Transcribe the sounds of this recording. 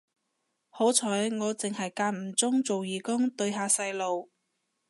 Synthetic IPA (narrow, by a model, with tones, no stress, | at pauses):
ho˨˥wt͡sʰɔː˨˥jŋɔː˨˧t͡sɪ˨ŋhɐ˨jkaː˧t̚m̩˨˩t͡sʊ˥ŋt͡so˨wjiː˨˩kʊ˥ŋt̪ɵ˧ɥɦaː˨˧sɐ˧jlo˨w